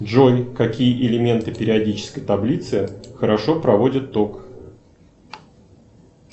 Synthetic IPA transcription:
dʐojʲkɐkʲijəʔɪlʲɪmʲe̞nt̪ɨpʲɪɾʲɪɐdʲit͡ɕɪ̥skəjt̪ɐblʲit̪sɨxəɾɐʂo̞pɾɐvo̞dʲɪt̪ːok

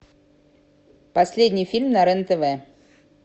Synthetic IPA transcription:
pɐsʲlʲedʲnʲɪjfʲilʲmnɐɾɛnt̪əvɛ

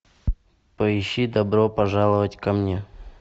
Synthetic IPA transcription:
pəɪɕːid̪ɐbɾopɐʐalˠəvətʲkɐmnʲe

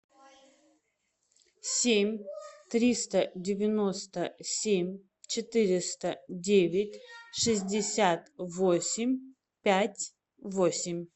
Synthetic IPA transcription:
sʲemʲt̪ɾʲist̪ədʲɪvʲɪnost̪əsʲemʲ | t͡ɕɪt̪ɨɾʲɪst̪ədʲevʲɪtʲʂɨzʲdʲɪsʲat̪vosʲɪmʲ | pʲætʲ | vosʲɪmʲ

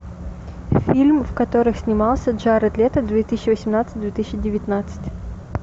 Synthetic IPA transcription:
fʲilʲmvkɐt̪oɾɨxsʲnʲɪmɑlˠsʲədʐaɾɐt̪lʲet̪əd̪vʲet̪ɨsʲɪɕːɪvəsʲɪmnat̪sɨ̥t̚ʲd̪vʲet̪ɨsʲɕɪdʲɪvʲɪt̪nat̪sɨ̥tʲ

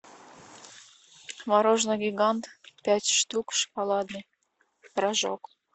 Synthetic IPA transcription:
mɑɾoʒnoɡʲiɡɑnt̪pʲætʲʃt̪ukʃpɑlɑd̪nɤ | rɑʒo̰k

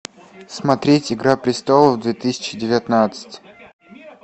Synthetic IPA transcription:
smɐt̪ɾʲetʲɪɡɾapɾʲɪst̪olˠəvd̪vʲet̪ɨsʲɪ̥t͡ɕɪdʲɪvʲɪt̪nat̪sɨ̥tʲ

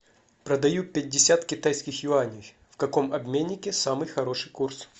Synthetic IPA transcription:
pɾəd̪ɐjupʲɪt̚ʲdʲɪsʲat̪kʲɪt̪ajskʲɪxjʊanʲɪj | fkɐko̞mɐbmʲenʲːɪkʲɪsamɨjxɐɾo̞ʂɨjkurs

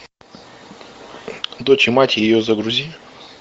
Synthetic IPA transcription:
d̪ot͡ɕɪmatʲɪjɪjozəɡɾʊzʲi

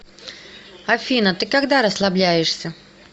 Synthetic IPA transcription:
ɐfʲinət̪ɨkɐɡd̪aɾəslˠɐblʲæjɪʂsʲə

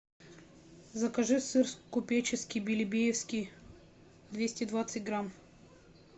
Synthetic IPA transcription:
zɐkɐʐɨsɨrskʊpʲet͡ɕɪskʲijbʲɪlʲɪbʲejɪfskʲij | d̪vʲesʲtʲɪd̪vat̪sɨtʲɡɾam

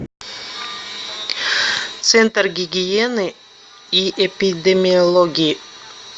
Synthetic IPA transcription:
t̪sɛnt̪rɡʲɪɡʲienɨ | iʔepʲid̪emʲiolˠoɡʲiː

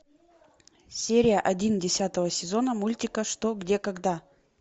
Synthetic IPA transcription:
sʲeɾʲɪjəʔɐdʲindʲɪsʲat̪əvəsʲɪzo̞nəmulʲtʲɪkəʂt̪oɡdʲe̞kɐɡd̪a

